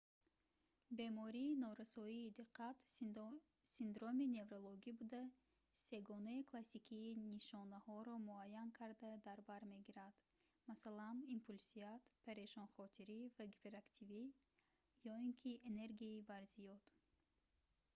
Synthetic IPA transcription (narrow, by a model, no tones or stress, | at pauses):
be̞mɔɾiːnɔɾasɔiːd̪iqʰːat̪ | sind̪ɾo̞mine̞vɾolˠoɡibud̪a | se̞ɡɔnaikʰlasikʰiːniʃɔnahɔɾɔmuajːankʰaɾd̪ad̪aɾbaɾme̞ɡiɾad̪̥ | masalanimpʰulsiat̪pʰeɾeʃɔnχɔt̪ʰiɾivaɡipʰeɾakt̪ʰivi | jɔiŋkʰiene̞ɾɡiibaɾzijɔd̪̥